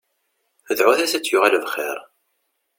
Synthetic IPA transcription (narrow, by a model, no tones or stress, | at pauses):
əðʕʊθæsæt͡sːjʊʁalvχḭɾˤ